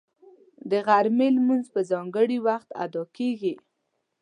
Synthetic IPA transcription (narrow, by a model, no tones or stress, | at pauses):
d̪əɣaɾmelmunzpəzɑŋɡəɽiwaxt̪a̰d̪ɑkeɡi